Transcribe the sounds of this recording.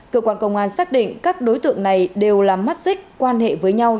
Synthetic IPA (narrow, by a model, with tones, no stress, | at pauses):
kə̰˧˨kwaː˧nkə˧wŋ͡mʔaː˧nsaː˦˥k̚ɗḭ˧˨ŋ̟kaː˦˥k̚ɗo˨˦jt̪ɨ̰˧˨əŋna˨˩jɗe˨˩wlaː˨˩mːa˦˥t̚zï˦˥k̟̚kwaː˧nɦḛ˧˨vəː˨˦jɲa˧w